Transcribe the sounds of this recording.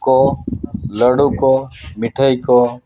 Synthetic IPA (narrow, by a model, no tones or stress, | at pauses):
koːləɽuːkoːmɪʈʰəikoː